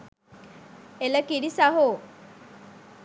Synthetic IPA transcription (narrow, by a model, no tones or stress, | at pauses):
eləkiɽisaɦo